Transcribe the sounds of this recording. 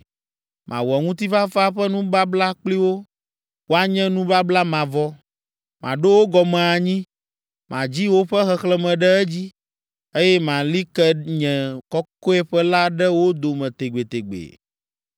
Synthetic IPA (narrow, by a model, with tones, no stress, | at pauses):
mʔã̰˨wɔ˨ŋũ˦t̪̬i˦va˦fa˦ɸɛ˦nũ˦ba˦bla˦k͡pli˦wo˦ | wo˦a˦ɲɛ̃˦nũ˦ba˦bla˦mã˨vɔ˦ | mã˨ɖo˦wo˦ɡɔ˨mɛ̃˨a˨ɲĩ˦ | mã̰˨d͡ʑi˦wo˦ɸɛ˦xɛ˨xlɛ˦mɛ̃˨ɖɛ˦ɛ˦d͡ʑi˦ | e˦jɛ˦mã˨li˦kɛ˦ɲɛ̃˨kɔ˦ko˦ɛ˦ɸɛ˦la˦ɖɛ˦wo˦d̪o˨mɛ̃˨t̪e˨ɡ͡be˨t̪e˨ɡ͡bḛ˨